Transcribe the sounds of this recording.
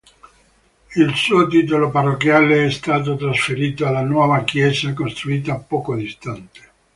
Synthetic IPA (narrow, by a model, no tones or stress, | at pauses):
ilsuːot̪̬iːt̪oloparːokːjaːleɛst̪aːt̪ot̪ɾasfeɾiːt̪oalːanwɔːvakjɛzakost̪ɾuiːt̪aːpːɔːkod̪ist̪ant̪e̥